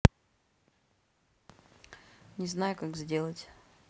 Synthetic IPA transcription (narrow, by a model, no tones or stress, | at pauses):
nʲɪznajʊkaɡzʲdʲe̞lˠətʲ